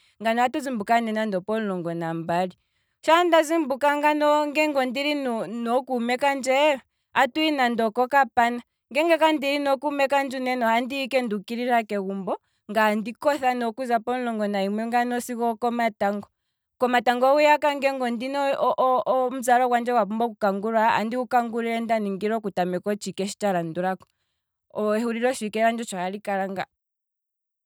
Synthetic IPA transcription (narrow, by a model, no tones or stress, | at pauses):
ŋɡanɔatuzimbukanɛnandɔpɔnlɔŋɡɔnambaɾi | ʃandazimbukaŋɡanɔŋɡɛŋɡɔndiɾinɔnɔkumɛkand͡ʒɛɔ | atuinandɔkɔkapana | ŋɡɛŋɡakandiɾinɔkuumɛkand͡ʒunɛnɔandiikɛndukiɾiɾakɛɣumbɔ | ŋɡandikɔθanɔkuzapɔnlɔŋɡɔnaimwɛŋɡanɔsikɔkɔmataŋɡɔ | kɔmataŋɡɔujakaŋɡɛŋɡɔndinɔʔɔm̩zaɾɔkwand͡ʒɛkwapumbɔkukaŋɡuɾaa̰ndiukaŋɡuɾiɾɛndaniŋɡiɾɔkutamɛkɔt͡ʃikɛʃi̥t͡ʃaɾanduɾakɔ̥ | ɔɛhuɾiɾɔʃikɛɾand͡ʒɔt͡ʃaalikaɾaŋɡa